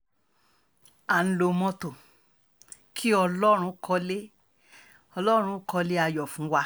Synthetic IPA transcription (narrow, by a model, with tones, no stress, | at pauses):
a˨n̩˦lo˧mɔ̃˧to˨ | kʰi˦ɔ˧lɔ˦ɾ̃ũ˧˦kʰɔ˧le˦ | ɔ˧lɔ˦ɾ̃ũ˧˦kɔ˧le˦a˧jɔ˨fũ˨˦wa˧